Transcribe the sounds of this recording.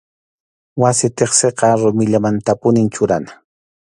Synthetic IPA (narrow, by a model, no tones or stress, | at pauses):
wasɪt̪eχseqɑɾʊmɪʎamant̪apʊnɪnt͡ʃʊɾanḁ